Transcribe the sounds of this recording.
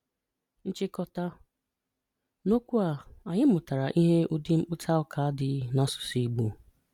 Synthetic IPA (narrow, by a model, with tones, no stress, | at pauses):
n̩˦t͡ʃɪ˦kɔ˦ta˦ | no˦kʷu˦a˨a˨ɲɪ˦mʊ˨ta˨ɾa˨ʔi˦ɦe˦ʊ˦dɪ˦ŋ͡m̩˦k͡pʊ˦tʰa˦ʊ˦kʰa˨a˦dɪ˨˦na˦sʊ̥˨si˦ɡ͡bu˦˨